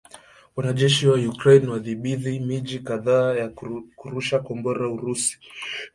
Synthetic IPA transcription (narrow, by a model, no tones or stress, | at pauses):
wanaʄɛʃiwajukɾɛjnwaðiɓiðimiʄikaðaːjakuɾuʃakɔmbɔɾauɾusi̥